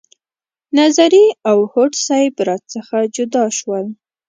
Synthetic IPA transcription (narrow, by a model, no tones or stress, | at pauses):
nazaɾiawhoʈsɑjbɾɑt̪̚t͡səxad͡ʒʊd̪ɑʃwəl